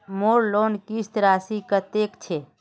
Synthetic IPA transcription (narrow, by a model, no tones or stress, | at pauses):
moɾlonkist̪ɾaːsikət̪ekt͡ʃʰe